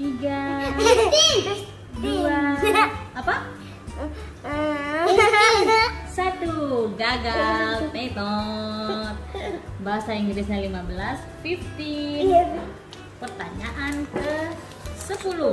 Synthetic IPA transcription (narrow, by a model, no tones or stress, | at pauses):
t̪iɡai | dua | apa | ə | sat̪uɡaɡalp̪et̪ɔ | t̪̚baɦasaiŋɡiɾisalimabəlas | fift̪i | pərt̪aɲaʔankə | səpulu